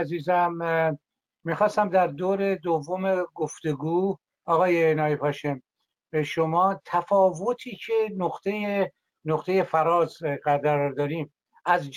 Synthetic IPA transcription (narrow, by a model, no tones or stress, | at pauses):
ziːzæm | mixɒːst̪æmd̪æɾd̪oːɾe̞d̪ovːomeɡoft̪e̞ɡuː | ɒːɣɒːjenɒːjepʰɒːʃem | ʃomɒːt̪ʰæfɒːvo̞t̪ʰiːcʰe̞noqt̪ʰeje | noχt̪ʰe̞je̞fæɾɒːzɣæd̪æɾɒɾd̪ɒːɾiːm | ʔæzd͡ʒ